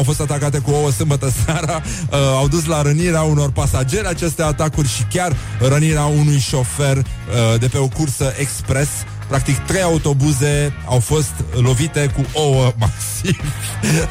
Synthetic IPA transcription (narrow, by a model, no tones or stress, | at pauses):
awfo̞st̪at̪akat̪e̞kuowəsɨmbət̪əseaɾə | əawd̪us̬laɾəniɾeauno̞rpasad͡ʒe̞ɾat͡ʃe̞st̪eat̪akurʲʃikʲarːəniɾeaunujʃo̞fe̞rd̪e̞pe̞o̞kursəʔekspɾe̞s | pɾak̚t̪ikt̪ɾe̞jaut̪o̞buze̞awfo̞st̪lo̞vit̪e̞kuʔowəmaksiv